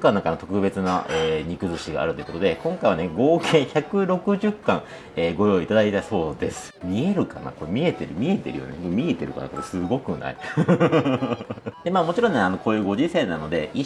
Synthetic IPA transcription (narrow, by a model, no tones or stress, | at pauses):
kãnaŋkanot̪o̞kɯ̟be̞t͡sɨnaʔeːɲ̟ikɯ̟zɨɕiɡa̰ːɾɯ̟t̪ojikot̪od̪e̞kõ̞ŋkaiβaneɡo̞ːɡẽ̞ɰçakɯ̟ɾo̞kɯ̟ʑɨkːãŋ | eːɡo̞jo̞it̪ad̪ait̪aso̞ːd̪esɨ̥mʲie̞ɾɯ̟ka̰na̰ko̞ɾemʲie̞t̪eɾɯ̟mʲiet̪e̞̰ɾɯ̟jo̰nekomʲiet̪eɾɯ̟ka̰nakoɾosɨɡo̞kɯ̟na̰i | d̪̥e̞maːmo̞t͡ɕiɾõnːeano̞ko̞ːjɯ̟ːɡo̞ʑisẽ̞nːano̞d̪e̞̰i